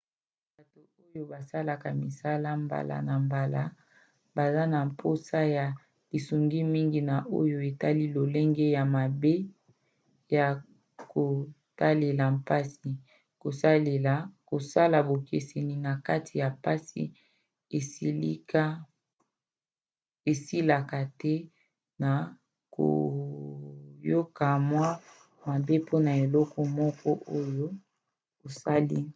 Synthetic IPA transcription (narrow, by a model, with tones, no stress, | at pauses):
ba˨to˨o˦jo˦ba˨sa˦la˨ka˨mi˨sa˦la˦mba̰˨la̰˨na˨mba˨la˦ | ba˨za˦na˨mpʰo˦sa˦ja˨ | li˨su˨ŋɡi˦mi˦ŋɡi˨na˨ʔo̰˦jo˦e˨ta˦li˦lo˨le˦ŋɡɛ˦ja˨ma˨be˦ | ja˨ | ko˨ | ta˦le˨la˨mpa˦si˨ | ko˨sa˦le˨la˨ko˨sa˦la˨bo˨ke˨se˨ni˨na˨ka˦tʰi˨ja˨pa˦sḭ˨ | e˨si˦li˦ka˦ | e˨si˦la˨ka˨tɛ˦ | na˨ | ko̰˨ | jo˦ka˨mwa˦ | ma˨be˦pʰo˦na˨e˨lɔ˦kɔ˦mɔ˦kɔ˦ʔo˦jo˦ | o˨sa˦li˦